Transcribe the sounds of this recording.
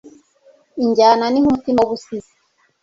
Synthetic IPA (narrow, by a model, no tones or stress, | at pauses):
iɲɟaːnanihutimoβusizi